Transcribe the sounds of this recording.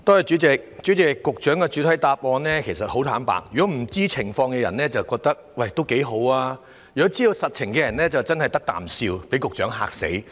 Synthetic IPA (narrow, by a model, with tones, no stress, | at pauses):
t̪ɔː˥jɛ˨t͡ʃyː˨˥t͡sɛ˨k̚t͡ʃyː˨˥t͡sɪ˨kːʊ˨k̚t͡ʃœː˨˥ŋkɛː˧t͡ʃyː˨˥t̪ʰɐ˨˥jt̪aː˧p̚ɔː˧nlɛː˥kʰe˨˩jsɐ˨t̚ho˨˥wt̪ʰaː˨˥npa̰ː˨˧k̚jyː˨kɔ˨˦˥m̩˨˩t͡siː˥t͡sʰɪ˨˩ŋfɔː˧ŋkɛː˧jɐ˨˩nɛː˥t͡sɐ˨wkɔː˧k̚t̪ɐ˥k̚wɐ˧˩jt̪o˥wke˨˥jɦo˨˥waː˧ | jyː˨ɔ˧˥t͡siː˥j̪o˧sɐ˨t̚t͡ʃʰɪ˨˩ŋkɛː˧jɐ˨˩nlɛː˥t͡sɐ˨wt͡sɐ˥nhɐ˨jt̪ɐ˥k̚t̪a̰ː˨msiː˧wpe˨˥jkʊ˨k̚t͡ʃœː˨˥ŋɦa̰ː˧k̚sḛ˨˥j